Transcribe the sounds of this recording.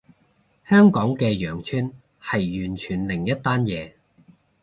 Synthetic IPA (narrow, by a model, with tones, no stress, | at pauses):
hœː˥ŋkɔː˨˥ŋkɛː˧jœː˨˩ŋt͡ʃʰyː˥n | hɐ˨jːyː˨˩nt͡ʃʰyː˨˩nlɪ˨˩ŋjɐ˥t̚t̪aː˥njɛː˨˧